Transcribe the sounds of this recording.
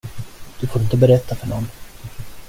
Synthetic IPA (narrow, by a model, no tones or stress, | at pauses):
d̪̥ɵfʊɪnt̪əbɛɾɛt̪ʰːafœɳɔnː